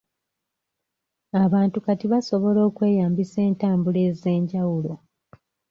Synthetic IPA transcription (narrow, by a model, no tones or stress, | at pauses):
aβaːntukatiβaso̞βo̞lo̞ːkwe̞ːjaːmbise̞ːntaːmbule̞ːze̞ːɲɟawulo̞